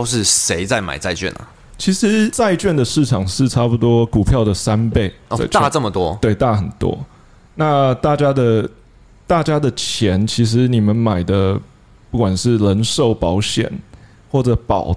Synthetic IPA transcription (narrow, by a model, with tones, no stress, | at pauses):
ʊʂɻ̩˥˨ʂe˧˦ɪt͡sa˥˩ɪma̰˨˩ɪt͡sa˥˧ɪt͡ɕɥɛ̰˥˨nə̰˨˩ | t͡ɕʰi˧˥ʂɻ̩˧˦t͡sa˥˧ɪt͡ɕɥɛ˥˩nd̪ə˩ʂɻ̩˥˩ʈ͡ʂʰɑ˨˩ŋʂɻ̩˥˩ʈ͡ʂʰa˥pu˨˧t̪wɔ˥ku˨˩pʰjɑ˥˩ʊd̪ə˩sa˦npe˥˩ɪ˨a̰˥˧ɪt͡ɕt̪a˥˨ʈ͡ʂə˥˨mə˨t̪wɔ˦t̪we˥˩ɪt̪a˥˩xə˨˩nt̪wɔ̰˥ | na˥˧t̪a˥˩t͡ɕja˥d̪ə˨ | t̪a˥˩t͡ɕja˥d̪ə˨t͡ɕʰjɛ˧˥nt͡ɕʰi˧˥ʂ̬ɻ̩˧˦ni˨˩mə˦nma˨˩ɪd̪ə˦ | pu˥˩kwa˨˩nʂɻ̩˥˩lə˧˥nʂo˥˩ʊpɑ˧˥ʊɕjɛ̰˨˩˦n | xwɔ˥˩ʈ͡ʂə˨˩˦pɑ̰˨˩ʊ